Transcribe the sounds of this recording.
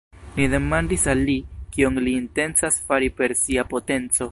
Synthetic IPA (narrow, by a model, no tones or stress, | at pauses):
nide̞mandisalːikioŋliːnte̞nsasfaɾipe̞ɾsiapo̞te̞nt͡so̞